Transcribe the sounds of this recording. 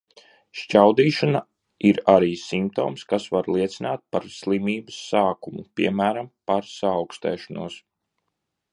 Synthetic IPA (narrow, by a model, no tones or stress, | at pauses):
ʃt͡ʃawd̪iːʃana | iɾaɾiːsimp̚t̪oːmskasʋaɾlˠiɛt̪sinaːt̪̚paɾslˠimiːbəsːaːkumupiɛmæːɾampaɾsaːwkst̪ɛ̰ːʃanuɔs